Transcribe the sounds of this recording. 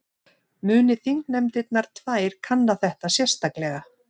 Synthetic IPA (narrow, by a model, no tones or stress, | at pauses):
mʏːnɪθiŋknɛmt̪ɪt̪naɾ̥t̪ʰvaːjɾ̥kʰanːaθɛht̪asjɛr̥st̪aklɛɣa